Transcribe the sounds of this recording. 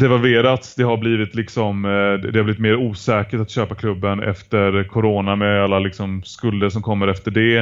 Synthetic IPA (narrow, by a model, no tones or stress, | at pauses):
d̪ɛvalveːɾat̪sd̪ɛɦaɾbliːvɪt̪lɪksɔmd̪ɛhabliːvɪt̪meːɾuːsɛːkəʈat̪ɕøːpakʰlɵbːənɛ̰ft̪əɾkʰʊɾoːnamɛalːalɪksɔmskɵld̪əʂɔmkʰɔmːəɾɛft̪əɖɛ